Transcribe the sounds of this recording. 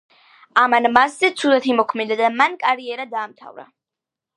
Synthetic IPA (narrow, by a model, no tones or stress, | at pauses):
amanmaszɛt̪sʰud̪at̪ʰimɔkʰmɛd̪ad̪amankʼaɾiɛɾad̪aːmt̪ʰa̰vɾa̰